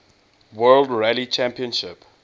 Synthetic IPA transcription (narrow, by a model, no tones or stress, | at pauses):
wɜldɹɛlit͡ʃʰæ̃mpiə̃nʃɪp